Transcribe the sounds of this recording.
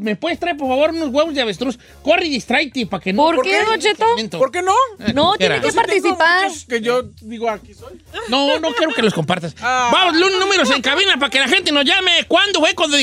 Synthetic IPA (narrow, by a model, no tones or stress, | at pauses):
mepwe̞ðest̪ɾajp̬oɾfaβo̞ɾunozɣwe̞βozðeaβest̪ɾus | koriðist̪ɾajt̪epakenoɾɾkeot͡ʃeoment̪opoɾkenonot̪eɾanḛsepaɾt̪isipaɾkeʝoðiɣoakisojnono̞kjeokeloskompaɾt̪asbamoslunnũmeɾos̬eŋkaβinap̬ake̞laxe̞nt̪eno̞zʝamekwand̪ofwekwand̪o